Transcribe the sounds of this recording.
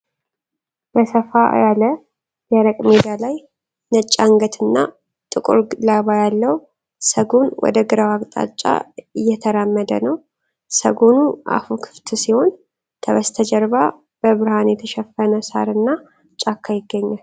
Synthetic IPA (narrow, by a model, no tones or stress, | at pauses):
bəsəfajalə | jɛɾəkʼmed̪alaj | nət͡ʃʼːaŋɡət̪ʰɨnːa | t̪ʼɨkʼṵɾlaβajalːəw | səɡonwɔ̰d̪əɡɨɾawakʼt̪ʼa̰t͡ʃʼːa̰ɨjːɛt̪ʰəɾamːəd̪ə̰nəw | sə̰ɡonua̰fukʰɨ̥ft̪ʰsiho̞n | t̪ʰəβəst̪ʰəd͡ʒɛɾβa | bəβɨɾhanjɛt̪ʰəʃɛfːənəsa̰ɾɨnːa | t͡ʃʼakʰːajɪɡːəɲːal